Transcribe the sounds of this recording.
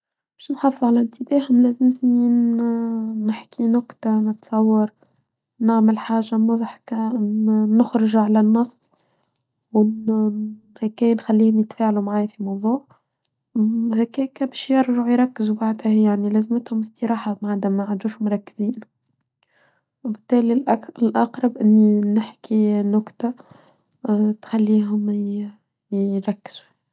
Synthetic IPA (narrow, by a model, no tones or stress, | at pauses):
bɛːʃnħɑfəðˤʕalænt̪ɪbæːɦʊmlæːzəmt̪ni | nɪħkinʊkt̪anət̪sˤɑwːɑɾˤ | naʕmɪlħaːʒamʊðˤħka | nʊxɾʊʒʕalænːɑsˤː | w | hækæːjnxælːiːhʊmjət̪faːʕalumʕaːjfimɑwðˤuːʕ | hækæːkæbɛːʃjɑɾʒʊʕjɾˤɑkːɪzubaʕd̪hæjaʕnilæːzmət̪hʊmɪst̪əɾɑːħamʕad̪æmæʕad̪uːʃhʊmɾˤɑkːɪziːn | wbɪt̪ːæːliʔɪlʔɑqɾˤɑbʔɪnːinɪħkinʊkt̪a | t̪xælːiːɦʊm | ɾˤɑkːɪ̥z̥u̥